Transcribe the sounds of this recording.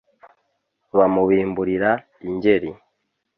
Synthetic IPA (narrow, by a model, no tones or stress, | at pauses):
βamuwiːmbuɾiɾa | iɲɟeɾi